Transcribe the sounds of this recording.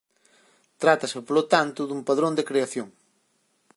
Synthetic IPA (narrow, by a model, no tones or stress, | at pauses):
t̪ɾat̪ɐsɪpolot̪ant̪ʊðumpaðɾõnd̪ekɾeaθjoŋ